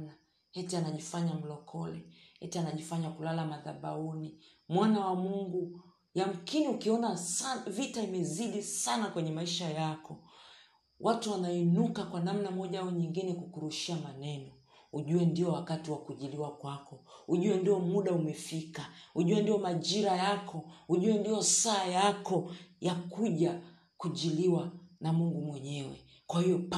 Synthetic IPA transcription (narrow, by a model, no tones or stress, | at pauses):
na | hɛtianaʄifaɲam̩lɔkʰɔlɛ | hɛtianaʄifaɲakulalamaðaɓauni | mwanawamuŋɡu | jam̩kiniukiɔnavitaimɛziɗisanakwɛɲɛmaiʃajakʰɔ | wʔatuwanainukakwanam̩namɔʄaɔɲiŋɡinɛkukuɾuʃiamanɛnɔ | huʄuɛndiɔwakatiwakuʄiliwakwakɔuʄuɛndiɔmuɗaumɛfikahuʄuwɛndijɔmaʄiɾajakʰɔhuʄuwɛndiɔsaːjakɔjakuʄa | kuʄiliwanamuŋɡumwɛɲɛwɛ̰ | kwahiɔ